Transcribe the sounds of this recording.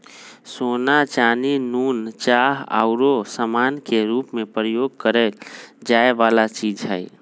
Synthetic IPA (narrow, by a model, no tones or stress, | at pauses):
sonat͡ʃaninunt͡ʃaɦa̰ʊɾosəmankeɾupmẽpɾəjoɡ̚kəɾɛld͡ʒaeʋalat͡ʃid͡ʒɦəj